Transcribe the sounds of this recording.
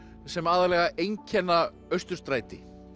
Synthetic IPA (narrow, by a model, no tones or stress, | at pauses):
sɛmaːðalɛɣaʔejɲcʰɛnːa | œɥst̪ʏɾ̥st̪ɾaːjt̪ɪ